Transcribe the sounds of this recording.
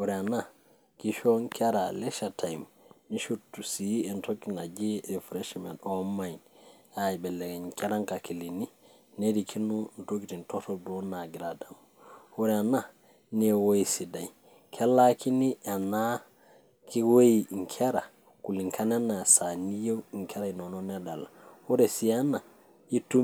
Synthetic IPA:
wuɾɛana | kiʃɔŋkʰɛɾalɛʃatʰajm | niʃutːusiɛntokinad͡ʒiɾifɾɛʃmɛ̰ntɔmajnaibɛlːɛɡɛkɛɾaŋkakilini | neɾikʰinuntokitintɔtɔdɔnaɡiɾadam | wuɾɛana | nɛwoisidaj | kʰɛlːakiniʔana | kiwojiŋkʰɛɾa | kuliŋkʰananasanijewiŋkʰɛɾainɔnɔnɛdalahuɾɛsiana | itu

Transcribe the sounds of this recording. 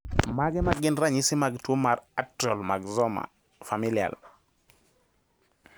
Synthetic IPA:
maɡɛmaɡɪnɾaɲɪsɪmaɡtwomaɾatɔlmaɡzɔma̰ | familia̰l

